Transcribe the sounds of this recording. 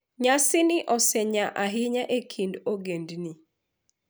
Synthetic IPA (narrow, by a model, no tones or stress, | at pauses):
ɲasɪnɪʔɔsɛɲaʔaɦɪɲaʔekʰindoɡendni